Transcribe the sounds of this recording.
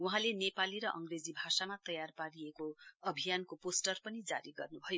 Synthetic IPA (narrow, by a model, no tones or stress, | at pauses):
uɦãlenepaliɾʌʔʌŋɡred͡zibʱasamat̪ʌjarpaɾiekoʌbʱijankoposʈʌrpʌnid͡za̰ɾiɡʌrnubʱʌjo